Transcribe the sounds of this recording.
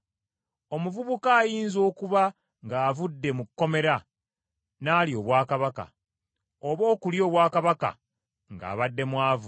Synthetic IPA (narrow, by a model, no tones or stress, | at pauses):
o̞muvuβukaːjiːnzo̞ːkuβa | ŋɡaːvudːe̞mukːo̞me̞ɾa | naːlijo̞ːβwaːkaβaka̰ | o̞βo̞ːkuljo̞ːβwaːkaβaka̰ | ŋɡa̰ːβadːe̞mwaːvu